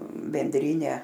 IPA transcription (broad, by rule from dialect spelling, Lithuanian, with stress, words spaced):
bʲɛnʲˈdʲrʲiːnʲɛ